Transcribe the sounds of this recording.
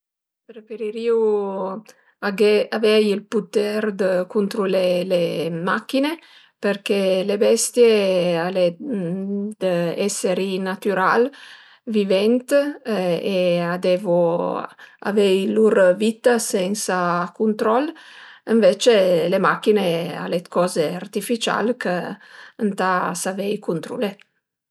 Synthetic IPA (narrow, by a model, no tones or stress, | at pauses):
pɾefeɾiɾiu | aɡeavɛjilput̪ɛɾd̪əkunt̪ɾulelemak̟ːine | perkelebɛst̪jeale | d̪əɛseɾinat̪yɾal | vivɛnt̪ | ead̪ɛvo | a̰vɛjluɾvit̪ːasɛnsakunt̪ɾɔləɱvet͡ʃelemakːinea̰let̪kɔːzeart̪ifit͡ʃa̰lkʰəənt̪asavɛjkunt̪ɾṵle